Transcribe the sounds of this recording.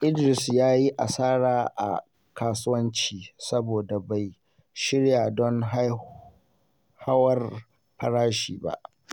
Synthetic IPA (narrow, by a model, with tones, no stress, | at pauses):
ʔɪ˦dɾɪ˨sjaː˦ji˦ʔa˨saː˦ɽaː˨ʔa̰˨ | kaː˨sʊ˦wɐ˦nt͡ʃiː˨sɐ˦boː˨da˨ba˨j | ʃɪ˦ɽjaː˨dɔ˦ŋɦa˦ | ha˦wɐ˦r | ɸɐ˦ɽaː˦ʃḭː˨ba̰˦ʔ